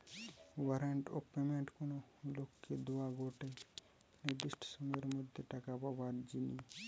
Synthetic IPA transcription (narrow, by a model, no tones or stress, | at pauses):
waɾaɳʈo̰pemeɳʈkonolokːed̪oaɡoʈe | niɾd̪iʃʈʰɔ̥sɔmeɾmod̪ʱːeʈakapabaɾd͡ʒini